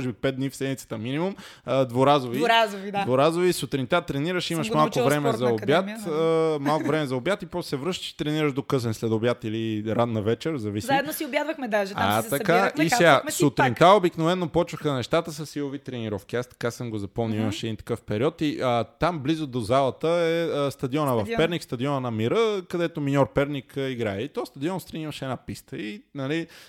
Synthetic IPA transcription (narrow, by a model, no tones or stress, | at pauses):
ʒɛbipɛd̪̚d̪nifsɛd̪mʲit̪sə̥t̪əminimumd̪voɾazoviɾazvid̪d̪voɾazovisot̪ɾint̪at̪ɾɛniɾəʃiməʃmalˠkovɾɛmɛzɐobjat̪əmalˠkovɾɛmɛzɐobjat̪ipɔt̪sɛvɾɤʃt̪ə̥ʃi̥t̪ɾɛniɾəʃd̪okɤsɛnslɛd̪objat̪iliɾanːɐvɛt͡ʃɛɾzɐvisziaɛd̪nosiobjad̪vəxmɛd̪aʒɛa̰t̪ɐkaisɛɡasut̪ɾintt̪aobiknovɛnːopɔt͡ʃvəxənɛʃt̪at̪əsəsiovit̪ɾɛniɾɔfk̟iast̪ɐ̥kasəmɡozɐpomnuiməʃɛd̪int̪ɐ̥kɤfpɛɾiɔt̪iət̪amblizod̪ozalˠɐt̪əɛəst̪ɐd̪iɔnəvɐfpɛɾnikst̪ɐd̪iɔnənɐmiɾəkɐd̪ɛt̪ominʲɔɾpɛɾnʲikəiɡɾaɛit̪ɔst̪ɐd̪iɔnst̪ɾɛniɾvəʃɛd̪napist̪əinɐli